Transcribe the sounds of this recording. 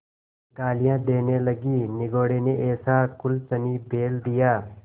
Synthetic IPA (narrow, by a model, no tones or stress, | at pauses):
ɡaːlɪjãːd̪eːneːləɡiːnɪɡoːɽeːneʔeːsaːkʊlt͡ʃəmiːbʱeːld̪ɪjaː